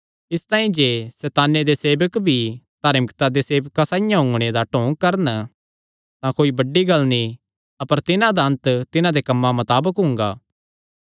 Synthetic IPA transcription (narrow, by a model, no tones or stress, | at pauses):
ɪst̪ãːĩd͡ʒeːsɛːt̪aːned̪eseːbəkbʱid̪̥ʱaːɾmɪkt̪ad̪eseːbkasãːɪjãɦʊ̃ŋɡɽ̃ed̪aʈõːɡ̚kɐɾən | t̪ãkoːibɐɖiɡɐlni | ɐpəɾt̪ɪnãd̪aɐ̃nt̪t̪ɪnãd̪ekɐmːamɐt̪aːbəkɦʊ̃ŋɡaː